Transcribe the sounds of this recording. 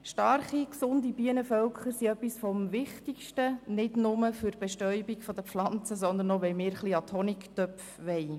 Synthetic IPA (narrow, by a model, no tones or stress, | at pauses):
ʃtɑɾχiksʊndibiənəfœlkʰχəɾsiœpːisfɔmvɪχtikʃtənɪdnʊməføɾb̥ɛʃtœʏbiɡfɔd̪əflɑnt͡səsɔnd̪ənɔʋɛɪlmɪːɾχliɑt̪ʰɔniktœpfʋɛɪ